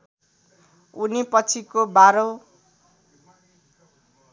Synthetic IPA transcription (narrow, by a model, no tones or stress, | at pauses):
unipʌt͡sʰikobaɾo